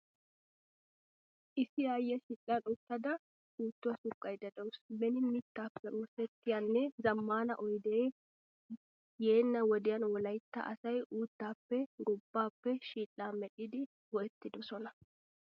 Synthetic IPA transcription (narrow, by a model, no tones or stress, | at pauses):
ʔɪsɪjaːjːɛʃiːlʼːɐnʊt̪ːɐd̪ɐ | uːt̪ːʊwɐsʊkʼːɐjd̪ɐd̪ɔwsbɛnɪmit̪ːaːpːɛʔʊɾsɛt̪ːɪjanːɛzɐmːaːnɐʔɔjd̪eː | jeːnːɐwɔd̪ɪjɐnwɔlɐjt̪ːɐ̰ʔɐsɐjʔuːt̪ːaːpːɛɡʊbːaːpːɛʃiːlːaːmɛɗɪd̪ɪ | wɔʔɛt̪ːɪd̪ɔsɔnɐ